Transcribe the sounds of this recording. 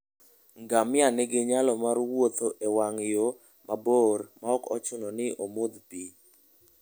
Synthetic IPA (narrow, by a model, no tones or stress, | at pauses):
ŋɡamɪanɛɡɪɲalɔmaɾwot̪oʔewaŋjo | mʔaboɾmaɔkɔ̰t͡ʃʊnɔnɪʔomod̪pi